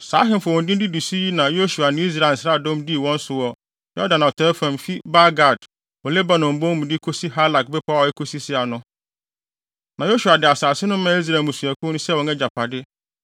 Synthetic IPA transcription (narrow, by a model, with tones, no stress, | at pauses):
saː˨˦ɦɪ̃˦m˨fwɔ̃˨n˨dɪ˦n˦dɪ˦di˨si˦ji˦nã˨jo˦su˨a˨nɪ̃˦i˦s̬ɾa˨n̩˨sɾa˦˨dɔ̃˦mdi˦˨wɔ̃˦n̩˦sʊ˨wɔ˨ | jɔ˦dã˨nã˨ɔ˨tʰɛ˦fã˨m˨fi˦ba˦ɡa˨d | ɔ˨lɛ˦ba˨nɔ̃˨m̩˨bõ˦m̃˨di˦kʰo˦si˦ɦa˦la˨k̚bɛ˦pʰa˦ɔ˨jɛ˦kʰo˦si˦sɪ˦a˨nʊ̃˦ | nã˨jo˦su˨a˨dɪ˨a˨saː˨sɪ˦nʊ̃˦mã˦i˦s̬ɾa˨mũ˨su˨æ˨kʰʊ̃˦nʊ̃˦sɛ˦wɔ̃˨nɛ̃˦d͡ʑa˨pʰa˨dɪ˦